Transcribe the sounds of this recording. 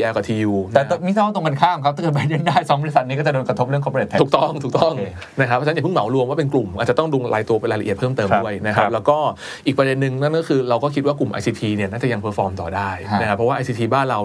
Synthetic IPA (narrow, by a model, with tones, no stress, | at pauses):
i˧ʔɛ˧kɔ˨˩t̪ʰiː˧juː˧ɛː˨˩˧mi˥˩sa˥˩wa˥˩t̪o˧ŋka˧nkʰaː˥˩mkʰa˥p̪̚a˥kɤ˨˩t̚ba˧˦ji˥˩˨ndaː˥˩jsɔ˧˦˥mbɔ˧i˦˥sa˨˩t̪̚i˦˥kɔː˥˩t͡ɕa˨˩doː˧nkɾt̪ʰo˦˥p̚ɾɯ˥˩əŋkʰːpe˨˩a˧t̪ʰuː˨˩k̚t̪ɔ˥˩ŋt̪ʰuː˨˩k̚t̪ɔ˥˩ŋ | na˦˥kʰa˦˥pʰːɔ˧˥˧ja˨˩pɯ˥˩ŋma˨˩˦wɾu˧əmwaː˥˩pe˧nklu˨˩mʔa̰ː˨˩t̚t͡ɕa˨˩t̪ɔ˥˩ŋdu˧ŋɾʔa̰ː˧jt̪u˧ɐpe˧nlaː˧jla˧ʔi˩ət̪̚ʰɤː˥˩mt̪ɤː˧mdu˥˩əjna˦˥kʰa˦˥p̚lɛː˦˥wkɔː˥˩ | ʔiː˨˩k̚pɾa˧de˧nːɯ˨ŋna˥˩nkɔː˥˩kʰɯː˧ɾa˧wkɔː˥˩kʰi˦˥waː˥˩klu˨˩mʔa̰˧jsʰiː˧t̪ʰiː˧ni˥˩naː˥˩t͡ɕa˨˩ja˧ŋpʰɤː˦˥fɔː˧mt̪ɔ̰ː˨˩daː˥˩ja˦˥kʰa˦˥pʰːɔ˦waː˥˩ʔjsʰiː˧t̪ʰiː˧baː˥˩nɾa˧w